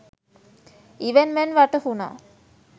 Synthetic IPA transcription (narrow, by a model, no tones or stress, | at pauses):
iʋenmɛnʋaʈəhuna̰ː